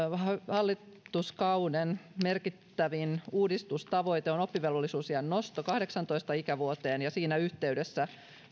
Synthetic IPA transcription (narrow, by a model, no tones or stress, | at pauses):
hɑlːiuskɑunenmerkit̪ːæʋinuːdist̪ust̪ɑʋo̞jt̪eonopːiʋelʋolːisuːsjɑnːost̪okɑhde̞ksɑnt̪oist̪ɑikæʋuot̪eːnjɑsiːnæyht̪e̞ydesːæ